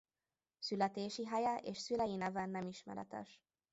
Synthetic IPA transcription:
sylɛt̪eːʃiɦɑjɛʔeːʃsylɛjinɛvɛnːɛmiʃmɛ̰ɾɛ̰t̪ɛ̰ʃ

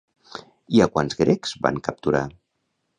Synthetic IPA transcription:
iakwanzɣɾɛkz̥ba̰ŋkəp̚t̪uɾa

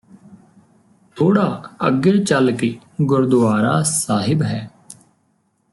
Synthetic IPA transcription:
t̪ʰoːɽaːə̰ɡeːt͡ʃəlkeː | ɡʊɾd̪ʊaːɾa̰ːsaːɦɪbɦɛː

